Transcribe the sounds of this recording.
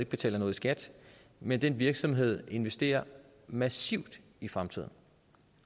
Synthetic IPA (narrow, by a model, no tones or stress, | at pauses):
eɡ̥̚b̥e̝t͡sʰɛ̰ːlɐnɔ̽ːð̞ˠsɡ̥æd̥ | mend̥enʋiɐɡ̥sɒ̽mɦe̝ð̞̰ˠe̝nʋesd̥e̝̰ːɐ | mæsiʊd̥ | ifʁamt͡sʰið̰ˠn̩